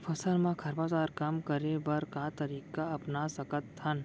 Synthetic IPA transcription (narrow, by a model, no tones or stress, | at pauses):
fʰɐsəɾmãkʰɐɾbat͡ʃaːɾkɐmkəɾebɐɾkat̪ɐɾiːkaɐpnasɐkət̪ʰːɐn